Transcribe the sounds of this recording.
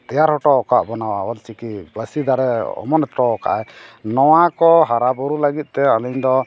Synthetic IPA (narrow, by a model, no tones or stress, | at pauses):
t̪ɛjaɾhɔʈɔɔkaʔbɔnawaɔlt͡ʃikibasid̪aɾɛɔ̰mɔnɔt̪ɾɔɔka̰ʔanɔwakɔɦaɾabɔɾuləɡit̪̚ˀt̪ɛaliɲd̪ɔ